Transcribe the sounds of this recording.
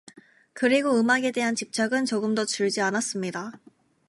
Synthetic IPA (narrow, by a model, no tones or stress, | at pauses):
kɯɾiɡoɯmaɡe̞de̞ɦant͡ɕip̚t͡ɕ͈aɡɯnt͡ɕoɡɯmdʌt͡ɕuɭd͡ʑianas͈ɯmɲida